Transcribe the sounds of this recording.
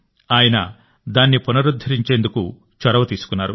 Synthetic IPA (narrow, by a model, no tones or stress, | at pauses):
aːjɐnɐ | d̪aːnːipunɐɾud̪ʱːɐɾiɲt͡ʃeːnd̪uku | t͡ʃɐɾɐʋɐt̪iːsu̥kunːaːɾṵ